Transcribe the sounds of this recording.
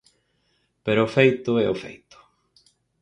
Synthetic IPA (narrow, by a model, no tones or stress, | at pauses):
peɾoːfejt̪ʊɛʊfḛjt̪ʊ̥